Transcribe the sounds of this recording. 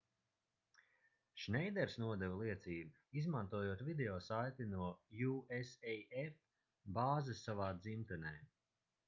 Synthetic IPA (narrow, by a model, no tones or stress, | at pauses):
ʃnʲɛjd̪ɛɾsnuɔd̪ɛvlˠiɛt̪siːbi | izmant̪uɔjuɔːt̪vid̪eɔːsajt̪inuɔjuesɛjɛf | baːzɨsːavaːd̪zimt̪ɛnɛː